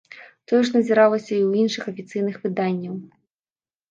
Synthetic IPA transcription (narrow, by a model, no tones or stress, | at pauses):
t̪ɔjɔʂ̬nɐzʲiɾalˠɐsʲɐiwinʂɨxɐfʲit̪sɨjnɨxvɨd̪anʲːɐw